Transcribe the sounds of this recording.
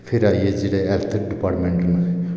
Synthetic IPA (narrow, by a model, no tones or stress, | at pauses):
pʰeɾaːied͡ʒeːɽeɛlt̪ʰəɾɖɪpaːʈmẽɳʈn